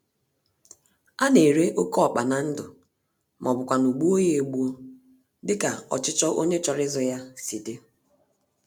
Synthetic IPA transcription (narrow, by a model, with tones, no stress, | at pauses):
a˦ne˨ɾe˦ʔo˦kɔ˦ɔ˨k͡pa˨na˨n̩˦dʊ˨ | mʔɔ˨bʊ˨kʷa˨nu˨ɡ͡bu˦o˦je˦e˨ɡ͡bu˦o˦ | dɪ˦ka˨ɔ̰˨t͡ʃɪ˦t͡ʃɔ˦ʔo˦ɲe˦t͡ʃɔ˨ɾɪ˦zɔ˨ja˦si˨de˦